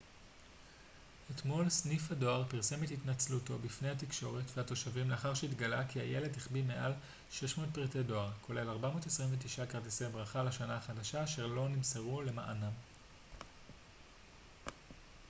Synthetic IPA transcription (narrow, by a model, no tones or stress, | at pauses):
et̪mo̞lsnifado̞aʁpiʁse̞methitnat͡sluto̞bifne̞jhatikʃo̞ʁetveato̞ʃavimleaχaʁʃeitɡalakiaje̞le̞dhiχbime̞ʔal | ʃe̞ʃmo̞ːt̚pʁetedo̞aʁkʰo̞le̞laʁbamo̞ːtesʁiɱvetiʃakaʁtisejbʁaχalaʃanaaχadaʃaːʃe̞ʁlo̞nimseʁule̞maʔanam